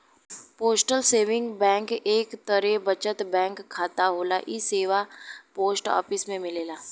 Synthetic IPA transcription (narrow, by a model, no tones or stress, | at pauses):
poːsʈəlseːʋɪ̃ŋɡbɛ̃ːŋkeːkt̪əɾebɐt͡ʃət̪bɛ̃ːŋkʰːaːt̪aɦoːla̰ʔiseːʋapoːsʈɔ̰ːpɪsmẽmɪleːlaː